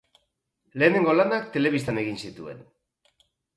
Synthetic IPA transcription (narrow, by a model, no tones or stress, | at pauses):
le̞ːne̞ŋɡo̞lanakt̪e̞le̞βis̬t̪ane̞ɣ̞insit̪ue̞̰n